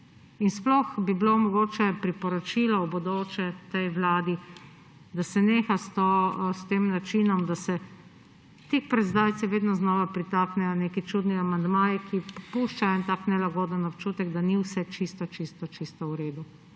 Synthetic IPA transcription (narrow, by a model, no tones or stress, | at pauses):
insplɔxbiblomɔɡoːt͡ʃɛpɾipɔɾɔt͡ʃilɔɔbɔd̪oːt͡ʃɛt̪ɛjʋlaːd̪i | d̪asɛneːxast̪ost̪eːmnat͡ʃinɔmd̪asɛ | t̪ekpɾɛzd̪aːwt̪siʋeːd̪nɔznɔːʋapɾit̪aːknɛjɔneːkit͡ʃud̪niamand̪maːjikʰipuʃt͡ʃaɛnt̪aːknɛlaɡoːd̪ənɔpt͡ʃuːt̪ɛɡd̪aniwsɛt͡ʃist̪ɔt͡ʃist̪ɔt͡ʃist̪ɔuɾeːd̪u